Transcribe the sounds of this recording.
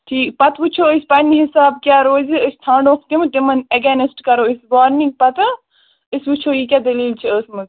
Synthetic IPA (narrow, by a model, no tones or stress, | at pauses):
ʈʰiːkpɐt̪ʋut͡ʃʰoːəsʲpɐnʲːiɦisaːb̚kʲaːɾoːziəsʲt̪ʰãːɳɖoːkʰt̪imɨt̪imɐneɡanesʈkɐɾoːisʋaːɾnĩŋɡ̚pɐt̪ɨ | isʋut͡ʃʰoːjik̬ʲaːd̪ɐliːlt͡ʃʰiəːsmɨz